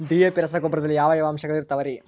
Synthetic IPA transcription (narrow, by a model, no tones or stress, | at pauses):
d̪ijepiɾɐsɐɡobɾɐd̪ɐlːijaːʋɐjɐʋɐːmʃɐɡɐɭiɾut̪ːɐʋɐɾi